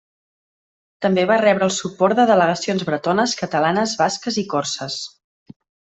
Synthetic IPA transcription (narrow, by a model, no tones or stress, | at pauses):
t̪əmbeβarɛβɾəlˠsupɔɾt̪d̪əðələɣəsionzβɾət̪onəskət̪əlanəzβaskəzikɔrsəs